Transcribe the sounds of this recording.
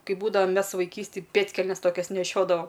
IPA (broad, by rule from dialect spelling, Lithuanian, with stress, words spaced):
ˈkɐɪ ˈbuːdɐʋɐ ˈmʲɛs ʋɐɪˈkʲiːsʲtʲeːj ˈpʲeːtʲkʲɛlʲnʲɛs ˈtoːkʲɛs nʲɛˈʃʲoːdɐʋɐ